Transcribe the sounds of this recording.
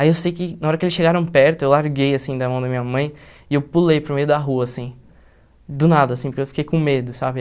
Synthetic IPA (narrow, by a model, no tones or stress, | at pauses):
aiewsejkɪnaɔɾɐkɪelɪsʃeɡaɾɐ̃w̃pɛɾt̪ʊewlaɾɡejasĩd̪ɐmɐ̃w̃d̪ɐmĩɲɐmɐ̃j̃ | ɪewpulejpɾʊmejʊd̪ɐɦuɐːsĩ | d̪ʊnad̪ɐːsĩpʊɾkewfikejkõmed̪ʊsabɪ